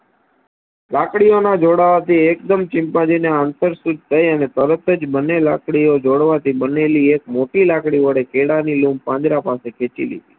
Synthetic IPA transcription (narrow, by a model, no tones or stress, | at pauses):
lakɽijonad͡ʒoɽaʋat̪iekd̪əmt͡ʃɪ̃mpãd͡ʒineant̪əɾsud͡ʒt̪ʰəjənet̪əɾət̪əd͡ʒbənːelakɽiod͡ʒoɽʋat̪ibəneliek̚moʈilakɽiʋəɽekeɽanilũmbpãnd͡ʒ̪ɾapasekʰet͡ʃḭlḭd̪i